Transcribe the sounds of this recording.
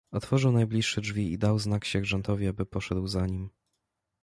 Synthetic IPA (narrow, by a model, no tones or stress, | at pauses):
ɔt̪fɔʐɘwnajblʲiʂːɛdʐvʲiḭd̪awznakɕɛʐɛnt̪ɔvʲiabɘpɔʂɛd̪wzaɲim